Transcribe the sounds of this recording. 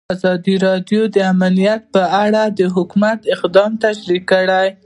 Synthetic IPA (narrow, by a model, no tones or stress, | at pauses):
azɑd̪iɾɑdjod̪əamalijat̪̚pəaɽad̪əɦʊkumat̪ɪqd̪ɑmt̪aʃɾikːəɽaj